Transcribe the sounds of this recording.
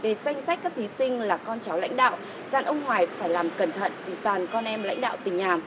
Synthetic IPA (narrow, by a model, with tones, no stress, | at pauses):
ve˨˩sa˧jŋ̟sa˦˥k̟kːa˦˥k̚t̪ʰi˨˦sï˧ŋ̟laː˨˩kɔ˧nt͡ɕa˨˦wla̰˧˥jŋ̟ɗa̰ː˧˨w | zaː˨˩nʔə˧wŋ͡mhwaː˨˩jfaː˧˩jlaː˨˩mkə˧˩nt̪ʰə̰˧˨nvi˨˩t̪waː˨˩nkɔ˧nʔɛ˧mla̰˧˥jŋ̟ɗa̰ː˧˨wt̪ï˨˩ŋ̟naː˨˩m